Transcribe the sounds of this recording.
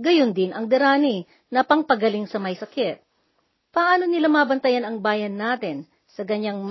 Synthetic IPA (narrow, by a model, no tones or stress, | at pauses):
ɡɐjond̪ɪnɐŋd̪ɛɾaːni | nɐpɐŋpɐɡɐliŋsɐmɐjsɐkɪt̪̚ | pɐʔaːno̞nɪlamaːbɐnt̪ɐjanɐŋbaːjɐnːaːt̪ɪn | sɐkɐɲːaŋm